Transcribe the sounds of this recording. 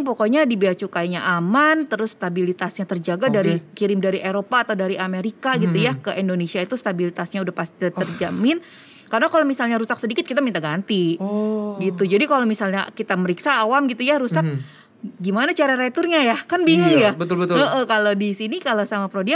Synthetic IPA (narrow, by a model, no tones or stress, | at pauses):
ŋpokoɲadibiat͡ʃukajɲaʔamant̪əɾʊsːt̪abilit̪asɲat̪ərd͡ʒaɡadaɾikiɾɪmdaɾiʔeɾopaːt̪awdaɾiʔameɾikaɡit̪ujakəʔindonesiait̪ust̪abilit̪asɲaudahpast̪i̥t̪t̪ərd͡ʒamɪn | karənakalomisalɲaɾusak̚sədikɪt̪̚kit̪amint̪aɡant̪i | ɡit̪ud͡ʒadikalowmisalɲakit̪aməɾiksaːwamɡit̪ujaɾusak̚ | ɡimanat͡ʃaɾaɾet̪ʊrɲajakanbiŋəŋjabəʊlbət̪ʔəhkalodisinikalasamapɾodia